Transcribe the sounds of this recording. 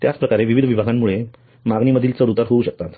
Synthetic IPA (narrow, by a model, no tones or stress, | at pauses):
t̪jat͡spɾəkaɾeʋiʋid̪ʱəʋibʱaɡamːuɭe | maɡniməd̪ʱiːlt͡səɾut̪aɾɦouɕək̚t̪at̪